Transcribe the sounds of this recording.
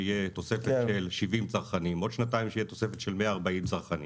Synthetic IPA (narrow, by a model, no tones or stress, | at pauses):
ijet̪o̞sefeʃelʃivimt͡saʁχanimo̞d̪ʃnat̪aimʃeijet̪o̞sefet̪ʃelmeaːʁbaimt͡saʁχanḭ